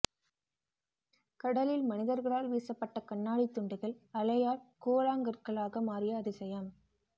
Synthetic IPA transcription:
kɐɽɐlɪlmɐnɪðɐɾɣɐɭaːlʋiːsɐpːɐʈːɐkɐɳːaːɽit̪ːʊɳɖɪɣɐɭɐlɐjaːɭkoːlaːŋɡɐɾɣɐɭaːɣɐmaːɾɪjɐːðɪsɐjɐm

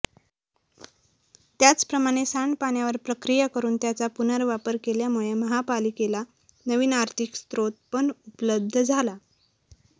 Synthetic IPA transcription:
t̪jat͡spɾəmaɽ̃esaɳpaɳ̃jaʋəɾpɾəkɾijakəɾuːnt̪jat͡sapunəɾʋapəɾkeljamuɭeməɦapalikela | nəʋiːnaɾt̪ʰikst̪ɾot̪̚pəɳupləb̚d̪ʱd͡zʱala

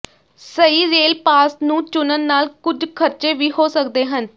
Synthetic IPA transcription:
səiːzeːlpaːsnũːt͡ʃʊnənːaːlkʊd͡ʒkʰəɾt͡ʃeːʋiːhoːsəkd̪eːɦən

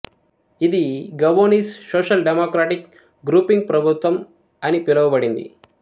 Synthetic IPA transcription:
id̪iɡɐʋoːniːssoːʃɐlɖemoːkɾaːʈik | ɡɾuːpiŋɡ̚pɾɐbʱut̪ʋɐm | ɐnipilɐʋɐbɐɽind̪ḭ

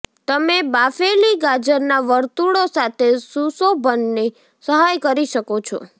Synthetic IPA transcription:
t̪əmebafeliɡad͡ʒəɾnaʋəɾt̪uɽosat̪ʰesusobʱənːe | səɦajkəɾiʃəkot͡ʃʰɔ̰

